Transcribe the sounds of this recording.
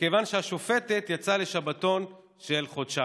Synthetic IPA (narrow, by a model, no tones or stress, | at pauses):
kevanʃeaʃo̞fe̞te̞t̪jat͡sale̞ʃabato̞n | ʃelχodʃa